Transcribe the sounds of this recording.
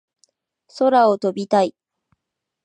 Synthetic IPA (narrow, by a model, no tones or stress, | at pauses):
so̞ɾao̞t̪o̞bʲit̪ai